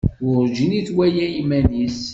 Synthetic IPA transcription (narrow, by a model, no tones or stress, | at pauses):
wʊɾˤʒiniθwæjæimænis